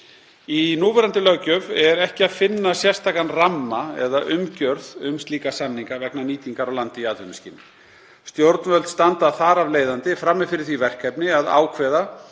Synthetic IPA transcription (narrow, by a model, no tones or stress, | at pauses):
inuːvɛɾant̪ɪlœɣcœvɛɾɛhcɪaðfɪnːasjɛ̥st̪ʰaːkanramːaɛ̰ðaʔʏmcœɾðʏmst̪liːkasanːiŋkavɛknaniːt̪iŋkaɾawlant̪ɪiaːt̪vʏmscɪnɪ | st̪jowɾt̪nvœlt̪st̪ant̪aθaɾavleːjðant̪ɪfɾamːɪfɪɾɪθivɛr̥kʰɛpnɪaða̰ːwkʰvɛːða